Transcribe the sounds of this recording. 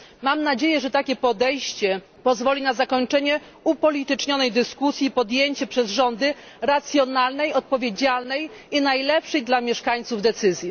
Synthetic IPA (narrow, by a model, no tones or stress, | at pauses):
mamnad͡ʑejɛʐɛt̪akʲɛpɔd̪ɛjɕt͡ɕɛ | pɔzvɔlʲinazakɔɲt͡ʂɛɲɛ | upɔlʲit̪ɘt͡ʂɲɔnɛjd̪ɘskusʲjipɔd̪jeɲt͡ɕɛpʂɛzʐɔnd̪ɘ | ɾat̪sʲjɔnalnɛjɔt̪̚pɔvʲjed͡ʑalnɛjinajlɛpʂɛjd̪lamʲjɛʂkaɲt̪suvd̪ɛt̪sɘzʲji